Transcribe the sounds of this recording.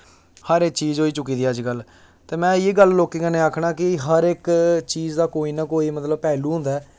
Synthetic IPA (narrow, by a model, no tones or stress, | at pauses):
həɾekt͡ʃiːzoːiːt͡ʃʊk̬ːiːd̪iːəd͡ʒɡəl | t̪eːmɛ̃ːeːɡəlloːkeːkənẽːaːkʰɽaːkɪɦəɾekt͡ʃiːzd̪aːkoːiːnaːkoːiːmət̪ləb̚pɛːluːɦʊ̃nd̪aɛː